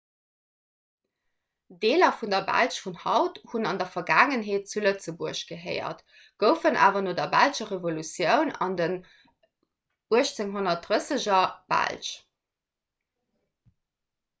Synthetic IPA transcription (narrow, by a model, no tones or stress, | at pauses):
deːlɐfundɐbæ̰lʃfunhɑʊthunɑndɐfɐɡaːŋənɦeːt̚t͡sulət͡səbuəɕɡ̥əɦɜ̰ɪɐ̰t | ɡ̥əʊfənʔa̰ːvɐnoːdɐbælʃɐʁevolut͡sjəʊnɑ̰ndən | uəɕt͡seŋɦonɐt̚dʁəsəʑɐb̥æ̰lʃ